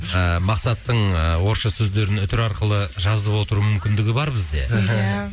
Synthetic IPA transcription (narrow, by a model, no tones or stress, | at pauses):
əmɑqsɑt̪ːəɴəwo̞ɾʃɑsɵzd̪e̞ɾɪnʏt̪ɪɾɑɾqəlˠəʒɑzəpwo̞t̪əɾumʏmkʲɪnd̪ɪɡʲɪbɑɾbɪzd̪e̞̰